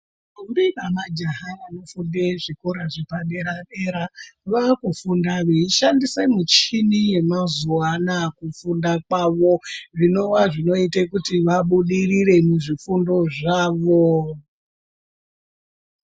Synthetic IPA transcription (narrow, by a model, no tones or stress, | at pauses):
ubiɓamad͡ʒaɦaʋano̞fundeʐikoɾaʐepaɗeɾaɗeɾaʋakufundaʋeiʃandise̞mut͡ʃinije̞mazuanakufundak̚waʋo̞ʐino̞waʐino̞itekutiʋaɓuɗirire̞muʐifundo̞ʐaːʋo